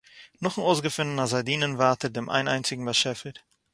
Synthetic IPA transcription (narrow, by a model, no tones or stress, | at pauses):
nɔχŋ̩oʊsɡəfɪnənɐzadiːnənvaːtʰət̚deːmʔa̰ɪna̰ɪnt͡sɪɡŋ̩vaʃɛfət